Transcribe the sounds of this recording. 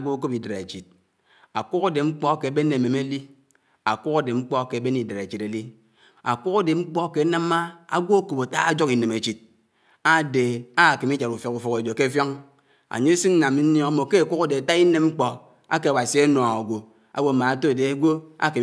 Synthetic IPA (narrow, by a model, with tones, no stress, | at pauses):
ɡʷo˦ko˦pi˨de˨ɾḛ˨t͡ʃi˨t̚ | a˨ku˦ka˦de˨ŋ͡m̩˦k͡pɔ˦ke˨a˨be˦ne˨me˨me˦li˦ | a˨kʷu˦ka˦de˨ŋ͡m̩˦k͡pɔ˦˨ke˨a˨˦be˦ni˨de˨ɾe˨t͡ʃi˨te˨li˦ | a˨kʷu˦ka˦de˨ŋ͡m̩˦k͡pɔ˦ke˨˦na˦m˦a˦a˦ɡʷo˦o˦ko˨ba˨ta˦a˦d͡ʒo˦ki˨ne˨me˨t͡ʃi˨t̚ | a˦de˨a˦˨ki˨mi˦d͡ʒa˨ɾu˨fjɔ˨ku˨fu˨ke˨do˨ke˦fjɔ˦ŋ | a̰˨ɲe˦si˦ŋn̩˦na˨mi˦n̩˦njɔ˦a˦mo˨ke˦a˨kʷu˦ka˦de˨a˨ta˦i˦ne˦mŋ͡m̩˦k͡pɔ˨ | a̰˦ke˨a˨wa˨si˨˦a˦no˨a˨ɡʷo˨ | a̰˦wo˨˦˨ma˨a˨to˦˨de˨a˦ɡʷo˦a̰˦˨ki˨